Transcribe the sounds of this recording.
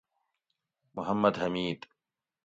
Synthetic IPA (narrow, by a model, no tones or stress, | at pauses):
mʊɦɐmːɐd̪ɦɐmiːd̪